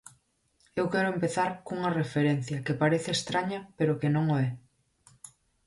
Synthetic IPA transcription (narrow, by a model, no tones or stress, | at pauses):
ewkɛɾoempeθaɾkuŋɐrefeɾen̟θjɐkepaɾeθeːst̪ɾaɲɐpeɾokenõŋoɛ